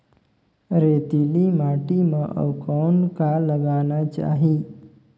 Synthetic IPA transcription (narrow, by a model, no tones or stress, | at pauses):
ɾet̪ilimaʈimãʔə̰ʋkɔnkalːəɡanat͡ʃa̰ɦi